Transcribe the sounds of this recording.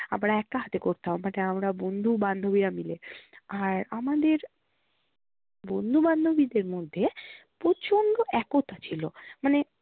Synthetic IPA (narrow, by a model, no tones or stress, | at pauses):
amɾaɛk̚ʈaɦat̪ekoɾt̪aommaneamɾabond̪ʱuband̪ʱobiɾamileaɾamad̪eɾ | bond̪ʱuband̪ʱobid̪eɾmod̪ʱːepɾot͡ɕʰonɖ̪oʔɛkot̪at͡ɕʰilomane